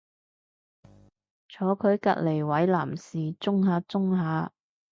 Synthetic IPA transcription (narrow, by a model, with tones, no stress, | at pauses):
t͡sʰɔː˨˧˥kʰɵ˨˧˥ɥkɐ̰˧t̚le˨˩jwɐ˨˥jla̰ː˨˩msiː˨t͡sʊ˥ŋhaː˨˥t͡sʊ˥ŋhaː˨˥